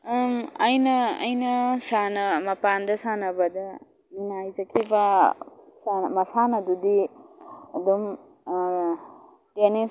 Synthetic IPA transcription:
ɐjnɐ̰ːjnɐsanɐmɐpandɐsanɐbɐdɐ | inaajzɐkʰiba | samɐsanɐdudi | ɐdum | tene

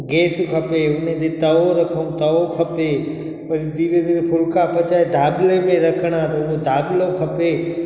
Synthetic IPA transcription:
ɡeːskʰɐpeʊnẽd̪et̪ɐʋoɾɐkʰəũt̪ɐʋokʰɐpe | pɐlid̪iːɾed̪iːɾpʰʊlkapɐt͡ʃaːed̪ʱaːbɪlemẽɾɐkʰəɽ̃at̪ɐʊɦod̪ʱaːblokʰɐpe

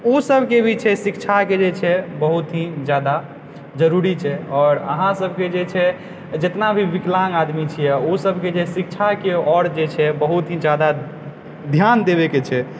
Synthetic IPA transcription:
osəbʱkebʱit͡ʃʰɛsikt͡ʃʰaked͡ʒet͡ʃʰɛbəɦut̪ɦid͡ʒjad̪a | d͡ʒəɾuɾit͡ʃʰɛɔːɾə̰ɦãsəbʱked͡ʒet͡ʃʰɛ | d͡ʒet̪nabʱiʋiklaŋad̪mit͡ʃʰijɛosəbʱked͡ʒesikt͡ʃʰakeɔɾd͡ʒet͡ʃʰɛbəɦut̪ɦĩd͡ʒad̪a | d̪ʱjand̪eβeket͡ʃʰɛ

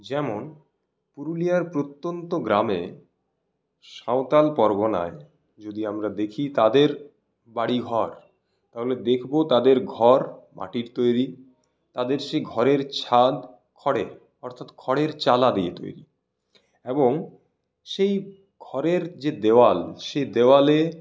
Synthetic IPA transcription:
d͡ʑɛmon | puɾulijaɾpɾot̪ːont̪oɡɾame | ʃaot̪alpɔɾɡona̰e | d͡ʑod̪iamɾad̪ekʰit̪ad̪eɾ | baɽiɡʱɔɾ | t̪aɦoled̪ekʰbot̪ad̪eɾɡʱɔɾmʔa̰ʈiɾt̪ojɾi | t̪ad̪eɾʃejɡʱɔɾeɾt͡ɕʰad̪ | kʰɔɽe | ɔɾt̪ʰat̪kʰɔɽeɾt͡ɕalad̪iḛt̪o̰jɾḭ | eboŋ | ʃej | ɡʱɔɾeɾd͡ʑed̪ewalʃejd̪eoale

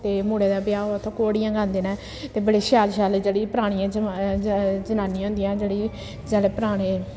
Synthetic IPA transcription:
t̪eːmoːɽeːd̪aːbɪjaːoːət̪ʰːõːkoːɽijãːɡãːnd̪eːnãː | t̪eːbəɽeːʃaːlʃaːld͡ʒeːɽiːpɾaːɽ̃ɪjãː | d͡ʒənaːnĩɦʊ̃nd̪ijãːd͡ʒeːɽiː | d͡ʒaːɽeːpəɾaːɽ̃eː

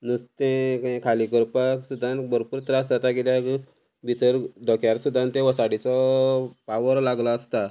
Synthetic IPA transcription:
nəst̪ẽkkʰalikəɾpasud̪ʱãnbəɾpuɾt̪ɾasd͡zat̪akit̪jak | bʱit̪əɾd̪ʱɔkjaɾsud̪ʱːãnt̪ẽʋəsaɽit͡sɔpaʋəɾlaɡlaːst̪a

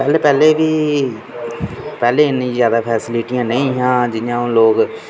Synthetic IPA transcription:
pɛːleːpɛːleːʋiː | pɛːleːɪnːĩːzjaːd̪aːpʰɛːsɪlɪʈijãːnəĩːɦãːd͡ʒɪjãːõloːɡ

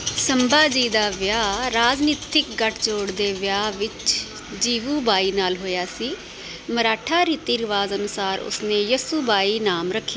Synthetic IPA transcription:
səmbaːd͡ʒiːd̪aːʋjaːɾaːd͡ʒniːt̪ɪk̚ɡəʈʰt͡ʃoːɽd̪eːʋjaːʋɪt͡ʃ | d͡ʒiːʋuːbaːiːnaːlɦoːjaːsiː | məɾaːʈʰaːɾiːt̪iːɾɪʋaːzənʊsaːɾʊ̰sneːjəsuːbaːiːnaːmɾəkʰːjaː

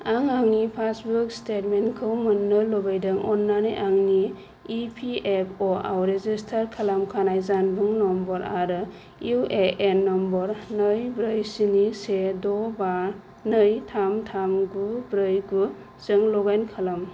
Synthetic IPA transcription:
aŋaŋnipʰasbukstetmenkʰɯwmɯnːɯlɔbajdɯŋɔnːanɯjʔaŋniː | pʰiepʰɔa̰wɾezistʰaɾkʰalamkʰanajzanbɯŋnɔmbɔɾaɾɯ | ʔeʔenːɔmbɔɾnɯjbɾɯjsinisedɔba | nɯjtʰamtʰamɡubɾɯjɡu | zɯŋlɔɡajnkʰalam

